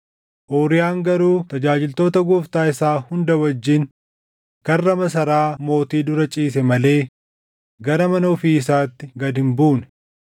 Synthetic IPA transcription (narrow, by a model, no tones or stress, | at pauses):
ʔoːɾɪjaːŋɡɐɾuːt̪ɐd͡ʒaːd͡ʒɪlt̪o̞ːt̪ɐɡuft̪aːɪsaːhʊnd̪ɐwɐd͡ʒːɪn | kɐrːɐmɐs̬ɐɾaːmo̞ːt̪iːd̪ʊɾɐt͡ʃʼiːs̬ɛmɐle̞ː | ɡɐɾɐmɐnɐɔfiːɪsaːt̪ːɪɡɐd̪ɪmbuːnɛ̥